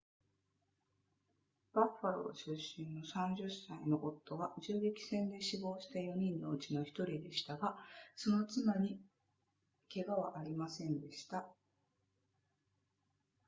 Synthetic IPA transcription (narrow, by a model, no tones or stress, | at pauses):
b̥aɸːaɾo̞̰ɕɨɕːĩnːo̞sãɲ̟d͡ʑɨsaino̞ʔot̪ːo̞βaʑɨːikʲi̥sẽ̞nd̪e̞ɕibo̞ːɕi̥t̪ajo̞ɲ̟ĩnːo̞ɯt͡ɕino̞çi̥t̪o̞ɾʲid̪e̞ɕi̥t̪aɡaso̞no̞t͡sɨmaɲ̟i | ke̞ɡaβaʔaɾʲimasẽ̞nd̪e̞ɕi̥t̪a